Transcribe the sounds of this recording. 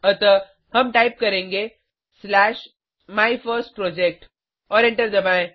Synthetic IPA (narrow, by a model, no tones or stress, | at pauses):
ɐt̪ə | hɐmʈaːɪp̚kɐɾẽːŋɡe | slɛːʃ | maːifəɾsʈ̚pɾɔːd͡ʒek̚ʈ | ɔːɾẽɳʈəɾd͡ʒɐbaːẽ